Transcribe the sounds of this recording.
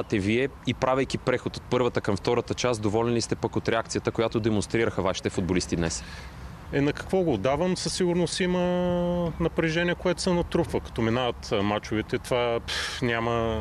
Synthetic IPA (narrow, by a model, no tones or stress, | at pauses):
t̪ɛviɛ | ipɾavəjk̟ʲipɾɛxot̪ot̪̚pɤɾvət̪əkɐmft̪ɔɾət̪ət͡ʃasd̪ovɔlɛnlist̪ɛpəkot̪ɾɛak̚t̪sijət̪əkoʊjat̪od̪ɛmõnst̪ɾiɾəxəvaʃi̥t̪ɛfʊd̪bolist̪id̪nɛs | ɛnɐkɐ̥kvɔɡoːd̪avəmsɐsiɡʊɾnosimə | nɐpɾɛʒɛnʲiɛkoɛt̪ʊ̥sɛnɐt̪ɾufvəkɐ̥t̪ɔminavət̪mat͡ʃʊvɛt̪ɛt̪vanʲamə